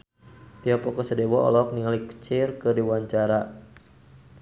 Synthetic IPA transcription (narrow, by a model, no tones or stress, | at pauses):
t̪iapɔkɔsədɛwɔʔɔ̰lɔk̚niŋalikə̥t͡ʃirkɨdiwaɲt͡ʃaɾa